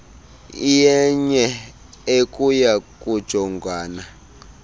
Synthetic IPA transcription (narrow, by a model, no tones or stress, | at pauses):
ijɛɲɛ | ekʼujakʼud̥ʒ̥ʱɔŋɡʱaːna